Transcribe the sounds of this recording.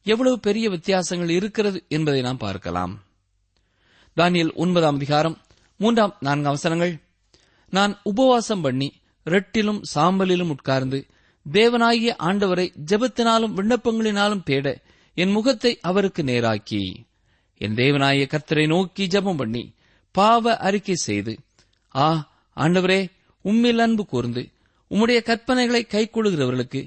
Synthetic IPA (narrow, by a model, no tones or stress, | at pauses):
ɛʋːɐɭɐʋɯpɛɾɪjɐʋɪt̪ːɪjaːsɐŋɡɐɭɪɾɯkːɪrɐðɯɛnbɐðɐɪnaːnpa̰ːɾkɐ̰la̰ːm | d̪aːnɪjɐlʔʊ̰nbɐðaːmɐðɪɣaːɾɐmː | uːndraːmnaːnɡɐʋɐsɐnɐŋɡɐɭ | naːnʊbɐʋaːsɐmpɐɳːi | ɾɛʈːɪlɯmsaːmbɐlɪlɯmʊʈ̚kaːɾnd̪ɯ | d̪eːʋɐnaːɣɪjɐʔaːɳɖɐʋɐɾɐɪd͡ʒɛbɐt̪ːɪnaːlɯmʋɪɳːɐpːɐŋɡɐɭɪnaːlɯmt̪eːɽɐ | ɛnmʊɣɐt̪ːɐɪʔɐʋɐɾɯkːɯneːɾa̰ːkḭ | ɛ̰nd̪eːʋɐnaːɣɪjɐkɐɾt̪ːɐɾɐɪnoːkːid͡ʒɛbɐmpɐɳːḭ | paːʋɐʔɐɾɪkːɐɪsɛ̰jðɯ̰ | aː | a̰ːɳɖɐʋɐɾeː | ʊmːɪlɐnbɯkuːɾɯnd̪ɯ | ʊmːɯɽɐjɐkɐɾpɐnɐɪɣɐɭɐɪkːɐɪkːɔɭɯɣɪrɐʋɐɾɣɐɭɯkːɯ